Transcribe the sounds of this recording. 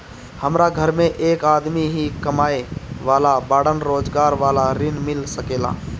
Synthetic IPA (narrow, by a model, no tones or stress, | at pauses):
həmɾaɡʱəɾmẽʔeːkaːd̪miɦikəmaːeʋaːlabaːɽənɾoːd͡ʒɡaːɾʋaːlaɾɪnmɪlsəkeːla̰ː